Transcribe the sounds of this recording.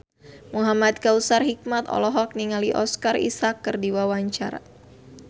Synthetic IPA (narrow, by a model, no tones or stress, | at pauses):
muɦamat̪̚kausarɦik̚mat̪ɔ̰lɔɦɔk̚niŋaliʔɔskarḭsakːɨrdiwawaɲt͡ʃaɾa̰